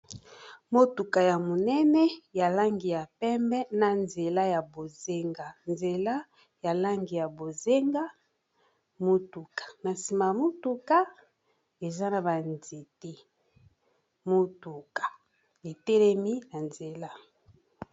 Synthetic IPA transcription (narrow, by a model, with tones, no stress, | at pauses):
mo˦tu˨ka˨ja˨mo˨nɛ˦nɛ˦ja˨la˦ŋɡi˨ja˨pɛ˦mbɛ˦na˨nze˨la˦ja˨bo˨ze˦ŋɡa˨nze˨la˦ | ja˨la˦ŋɡi˨ja˨bo˨ze˦ŋɡa˦ | mo˦tu˨kḁ˨na˨si˨ma˨ja˨mo˦tu˦ka˦ | e˨za˦na˨ba˨nze˨te˦ | mo˦tu˨kḁ˨ | e˨tɛ˦lɛ˦mi˦na˨nze˨la˦